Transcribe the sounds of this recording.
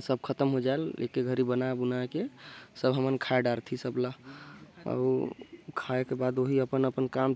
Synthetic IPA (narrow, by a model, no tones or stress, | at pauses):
səb̚ʱkʰət̪əmɦod͡ʒaelːḛkeɡʱəɾibənaebunaekesəbɦəmənkʰaeɖaɾt̪ʰisəbla | ə̰ukʰaekebad̪oɦiəpənəpənkam